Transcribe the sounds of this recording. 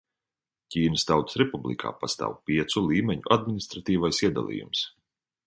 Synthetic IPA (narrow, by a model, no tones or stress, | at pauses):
cʲiːnəst̪awt̪sɾɛpublḭkʰa̰ːpast̪a̰ːwpiɛt̪sulˠiːmʲɛɲuʔad̪minist̪ɾat̪iːvajsiɛd̪a̰lˠḭːjṵms